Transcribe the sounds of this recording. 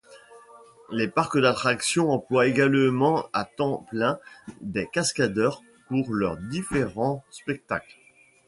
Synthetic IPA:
lepaʁkəd̪at̪χaksjɔ̃ɑ̃plwaeɡalmɑ̃at̪ɑ̃plɛ̃d̪ekaskad̪œʁ | puʁlœʁd̪ifeʁɑ̃spɛk̚t̪a̰kl

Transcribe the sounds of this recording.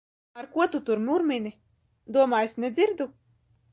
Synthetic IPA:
aɾkuɔt̪ut̪uɾmʲuɾmʲinʲi | d̪uɔmaːjesnʲed̪zʲiɾd̪u

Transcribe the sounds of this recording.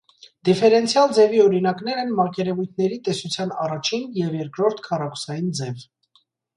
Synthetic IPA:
d̪̥ifɛɾɛnt͡sʰjɑld͡zɛviɔɾinɑknɛɾɛnmɑʁkɛɾɛvujt̪ʰnɛɾit̪ɛsut͡sʰjɑnɑrɑt͡ʃʰinjɛvjɛɾkɾɔɾt̪ʰkʰɑrɑkʰu̥sɑjind͡zɛv

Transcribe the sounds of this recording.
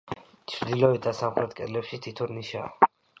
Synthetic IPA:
t͡ʃʰɾd̪ilɔit̪̚d̪asamχɾɛt̪̚kʼɛ̰lɛpʃit̪ʰit̪ʰuɾniʃa̰

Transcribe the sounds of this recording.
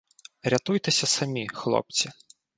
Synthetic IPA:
ɾʲat̪ujt̪ɨsʲɐsamʲixlˠɔ̰p̚t͡sʲi

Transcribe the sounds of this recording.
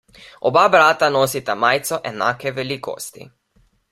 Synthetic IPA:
ɔbabɾaːt̪anoːsit̪amaːjt̪sɔʔɛna̰ːkɛʋɛliko̰st̪ḭ

